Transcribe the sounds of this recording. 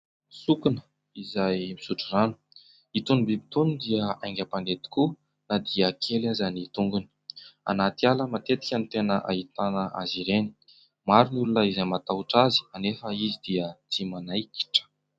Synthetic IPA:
sukunə̥ | izajmisuʈ͡ʂiranu̥ | it̪unibibi̥t̪unid̪iəajŋɡʲapanet̪i̥ku | nad̪iəkʰelazanit̪uŋɡuni̥a̰nat̪ialəmat̪et̪i̥kʲənt̪enəʔa̰it̪anəʔa̰ziɾeni̥ | maɾinulunəizajmat̪auʈ͡ʂazi̥anefəizid̪iət͡s̪imanajki̥ʈ͡ʂə̥

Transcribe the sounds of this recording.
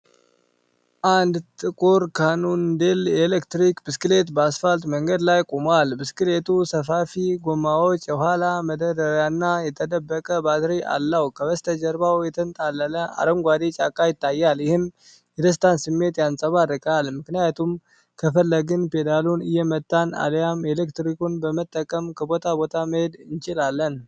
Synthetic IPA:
ʔand̪t̪ʼɨkʼuɾkʰanund̪elelekt̪ɾikbɨskɨle̞t̪basfalt̪ʼməŋɡəd̪lajkʼomalbɨskɨlet̪ʰusəfafiɡomːawot͡ʃʼːəhʷalaməd̪əɾəɾjanːajɛt̪ʰəd̪əbːəkʼəbat̪ɾiʔa̰lːəwkʰəβəst̪ʰəd͡ʒəɾbawjɛt̪ʰənt̪ʼalːələa̰ɾəmɡʷwad̪et͡ʃʼakʼajɪt̪ʰːajːaljɪhɨm | jɛd̪əs̬t̪ʰansɨmːe̞t̪jansʼəβarːɨkʼalmɨknɨjat̪ʰum | kʰəfəlːəɡɨnpe̞d̪alunɨjːɛmət̪ʼːana̰ljamelekt̪ɾikunbəmət̪ʼːəkʼəmkʰəbo̞t̪ʰabo̞t̪ʰaməhed̪ɨnt͡ʃɪlalːən

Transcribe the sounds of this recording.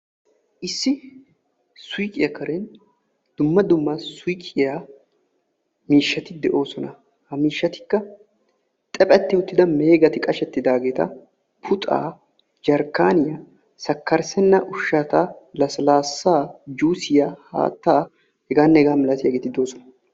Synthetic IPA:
ʔɪsːɪ | sʊjkʼɪjɐkʰɐɾɛn | d̪̥ʊmːɐd̪ʊmːɐsʊjkʼːɪja | miːʃːɐt̪ɪd̪ɛʔo̞ːsɔnɐ | hɐmiːʃːɐt̪ɪ̥kːɐ | t̪ʼɛpʼɛt̪ːɪʊt̪ːɪd̪ɐme̞ːɡɐt̪ɪkʼɐʃɛt̪ːɪd̪aːɡe̞ːt̪ɐ̰ | pʰʊt̪ʼa̰ː | d͡ʒɐɾkːaːnɪja | sɐkːɐɾsɛnːɐʔʊʃːaːt̪alɐslaːsːaːd͡ʒuːsɪjaha̰ːt̪ːaː | hɛɡaːnːɛɛɡaːmɪlɐt̪ɪjaɡeːt̪ɪd̪o̞ːsɔnɐ̥

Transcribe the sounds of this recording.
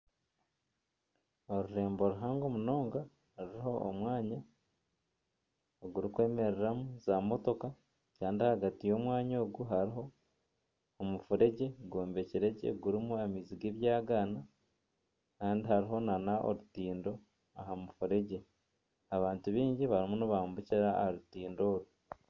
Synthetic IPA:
o̞ɾuɾe̞ːmbo̞ɾuɦaːŋɡo̞muno̞ːŋɡa | ɾiiho̞o̰mwaːɲa | oɡuɾikwe̞ːme̞ɾeɾamuzamo̞to̞ka | kaːndihaɡatijo̞ːmwaːɲo̞ːɡuɦaɾiɦo̞ | mufuɾe̞ɟe̞ɡoːmbe̞ciɾe̞ɟe̞̰ɡuɾimuemiziɡeβjaːɡana | kaːndihaɾiɦo̞nanaʔo̰ɾutiːndo̞ | aɦamufuɾe̞ɟe̞ | aβaːntuβiːɲɟiβaɾimunuβaːmbuciɾaːhɾutiːndo̞ːɾu

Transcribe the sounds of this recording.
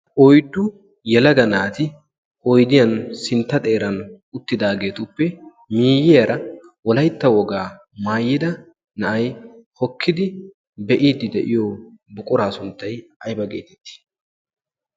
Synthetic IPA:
ʔɔjd̪ːʊ | jɛlɐɡɐnaːt̪ɪ | ʔɔjd̪ɪjɐnsɪnt̪ːɐt̪ʼe̞ːɾɐn | ʊt̪ːɪd̪aːɡe̞ːt̪ʊpːɛ | miːjɪjɐɾʔɐ | wɔlɐjt̪ːɐwɔɡaː | maːjːɪd̪ɐ | nɐʔɐjhɔkʰːɪd̪ɪ | bɛʔiːd̪ːɪd̪ɛʔɪjobʊkʼʊɾaːsʊnt̪ːɐjɐjbɐɡḛːt̪ɛt̪ːɪ̥

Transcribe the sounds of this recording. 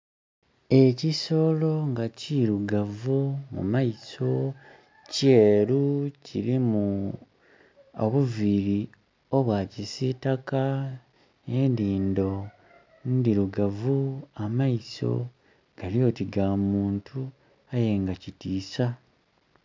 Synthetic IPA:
e̞ciso̞ːlo̞ŋɡaciɾuɡavumṵmajiso̞ | ce̞ːɾuciɾimu | oβuviɾi | o̞βwacisitaka | eːndiːndo̞ | ndiɾuɡavuamajiso̞̰ | ɡ̥alijo̞ːtiɡamuːntʰu | aje̞ŋɡacitiːsa

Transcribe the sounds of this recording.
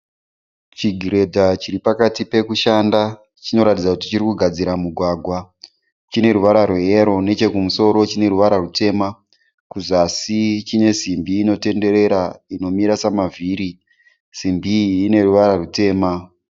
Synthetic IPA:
t͡ʃiɡʱiɾe̞dʱat͡ʃiɾipakatipe̞kuʃanda | t͡ʃino̞ɾatid͡zakuti̥t͡ʃiɾikuɡʱad͡ziɾamuɡʱwaɡʱwa | t͡ʃine̞ɾuʋaɾarweeɾo̞ne̞t͡ʃe̞kumuso̞ɾo̞t͡ʃine̞ɾuʋaɾarute̞ːma | kuzasit͡ʃine̞simbiːno̞te̞nde̞ɾe̞ɾaino̞miɾasamavʱiːɾi | simbiːne̞ruʋaɾarute̞ːma

